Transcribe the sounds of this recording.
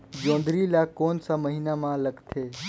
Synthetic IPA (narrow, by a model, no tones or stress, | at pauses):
d͡ʒõːnd̪ɾilakoːnsaməɦinamãləɡt̪ʰe